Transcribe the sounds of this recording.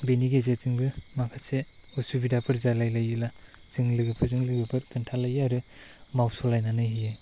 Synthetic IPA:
beniɡezet͡ʃɯŋbɯmapʰase | usubidapʰɯɾzalajlajɯla | zɯŋlɯɡɯpʰɯɾzɯŋlɯɡɯpʰɯɾkʰɯntʰalajaɾɯ | mawsɔlajnanɯɦijɯ

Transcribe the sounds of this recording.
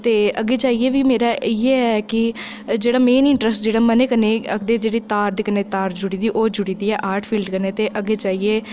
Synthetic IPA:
t̪eːəɡeːd͡ʒaːieːʋiːmeːɾaːieːɛkɪ | d͡ʒeːɽaːmeːnɪɳʈɾəsʈd͡ʒeːɽaːməneːkəneːə̰kd̪eːd͡ʒeːɽiːt̪aːɾd̪iːkəneːt̪aːɾd͡ʒʊɽiːd̪iːʔoːd͡ʒʊɽiːd̪iːɛːʔaːɾʈʰpʰiːlɖkəneːt̪eːʔəɡeːd͡ʒaːieː

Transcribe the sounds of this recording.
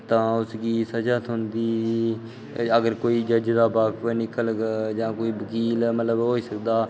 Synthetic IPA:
t̪ãːʊsɡiːsəd͡ʒaːt̪ɦʊnd̪iː | əɡəɾkoːiːd͡ʒəd͡ʒd̪aːbaːkʰpənɪkəlɡd͡ʒãːkoːiːbəkiːlmət̪ləbɦoːiːsəkd̪aː

